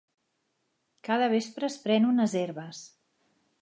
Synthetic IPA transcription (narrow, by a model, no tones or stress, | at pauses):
kaðəβ̞espɾəːspɾɛnunəzeɾβəs